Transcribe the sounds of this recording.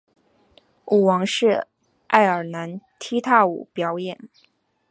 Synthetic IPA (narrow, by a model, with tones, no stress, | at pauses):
u˨˩wɑ˧˥ŋʂɻ̩˥˧ | ʔa˥˩ɪə˞˨˩na˧˥nt̪ʰi˥t̪ʰa˥˩ṵ˨˩pjɑ˨˩˥ʊjɛ˨˩˦n